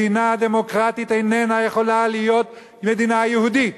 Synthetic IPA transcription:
inaad̪e̞mo̞kʁat̪it̪ejnenajeχo̞lalijo̞t̪̚ | me̞d̪inaajehud̪it

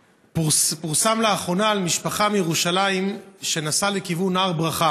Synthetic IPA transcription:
puʁsamleaχʁo̞naːlmiʃpaχamijeʁuʃalaimʃe̞nasalekivunaʁbʁaχa

